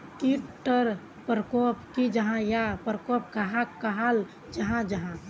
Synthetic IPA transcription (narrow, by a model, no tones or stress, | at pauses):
iʈːəɾ | pɾəkopkid͡ʒəɦãjapɾəkop̚kəɦãkkəɦal | d͡ʒəɦãd͡ʒəɦã